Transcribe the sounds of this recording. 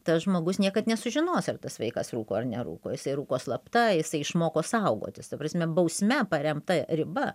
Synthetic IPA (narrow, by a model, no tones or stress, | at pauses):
t̪ɐsʒmoːɡʊsnʲiɛkɐt̪nʲɛsʊʒʲɪnoːsɐrt̪ɐsʋɐɪkɐsruːkoːɐrnʲɛɾṵːkoːjɪsɐɪɾuːkoːslˠɐpt̪ɐjɪsɐɪɪʃmoːkoːsɐʊɡo̰ːt̪ʲɪst̪ɐpɾɐsʲmʲɛbɐʊsʲmʲɛpɐɾʲɛmt̪ɐɾʲɪbɐ